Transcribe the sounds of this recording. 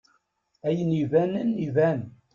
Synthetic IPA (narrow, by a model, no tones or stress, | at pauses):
æjnivænənːivæn